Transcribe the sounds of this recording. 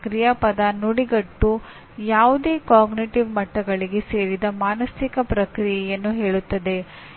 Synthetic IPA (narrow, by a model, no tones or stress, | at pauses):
kɾijɐpɐd̪ɐnoɽiɡɐʈːu | jaːʋud̪e̞ːkaːɡniʈiʋmɐʈːɐɡɐɭiɡese̞ːɾid̪ɐmaːnɐsikɐpɾɐkɾijɛjɐnːuɦe̞ːɭut̪ːɐd̪e̞